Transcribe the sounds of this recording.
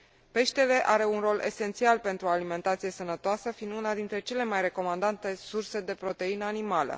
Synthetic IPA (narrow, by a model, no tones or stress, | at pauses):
pe̞ʃt̪e̞le̞ʔaɾe̞unro̞lʔe̞̰se̞nt̪sialpe̞nt̪ɾualime̞nt̪at̪sije̞sənət̪oasəfind̪unad̪int̪ɾe̞t͡ʃe̞le̞majɾe̞ko̞mand̪ant̪e̞surse̞d̪e̞pɾo̞t̪e̞inəanimalə̰